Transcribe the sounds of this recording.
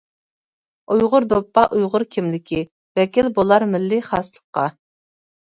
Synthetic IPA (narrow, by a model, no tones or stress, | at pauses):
ujʁʊɾd̪opːɑʔujʁʊɾkʲʰimlɪkʲʰɪ | vɛkʲilbolˠɑɾmɪlːɪχɑslˠəqːɑ